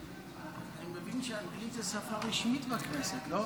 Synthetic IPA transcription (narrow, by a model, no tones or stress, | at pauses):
emevimʃeanʁitasafaʁiʃmit̪bakneset̪lo